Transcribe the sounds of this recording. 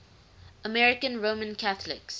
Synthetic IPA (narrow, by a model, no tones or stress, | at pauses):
əmɛɹɪkə̃nɹoːmə̃nkʰaθəlɪ̰ks